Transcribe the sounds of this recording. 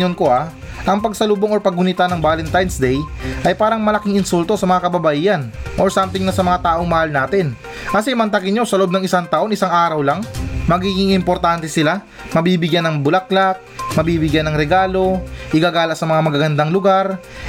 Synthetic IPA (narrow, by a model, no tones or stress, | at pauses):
onko̞ʔa | ʔɐŋpɐɡ̚sɐluːboŋoɾpɐɡ̚ːʊnit̪anɐŋbaːlɛnt̪ajnsd̪ɛjʔɐjpaːɾɐŋmɐlɐkɪŋɪnsult̪o̞sɐmɐŋakɐbɐbɐʔiːɐnʔoɹsamt̪ɪŋnɐsɐmɐŋat̪aːʔo̞ŋmɐhalnaːt̪ɛn | kɐsɛmɐnt̪ɐkɪnɲosɐloʔobnɐŋɪsaŋt̪ɐʔo̞nɪsaŋaːɾɐwlaŋmɐɡiːɡɪŋɪmpo̞ɾt̪ant̪ɛsɪla | mɐbiːbɪɡjanːɐŋbʊlɐk̚lak̚mɐbiːbɪɡjanːɐŋɾɛɡaːlo̞ʔɪɡaːɡaːlɐʔsɐmɐŋamɐɡaɡɐnd̪aŋlʊɡaɾ